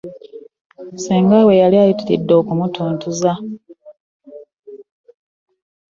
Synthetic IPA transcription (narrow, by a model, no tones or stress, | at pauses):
musiːŋɡawejaliajitiɾḭdːo̞ːkumutʰoːntuza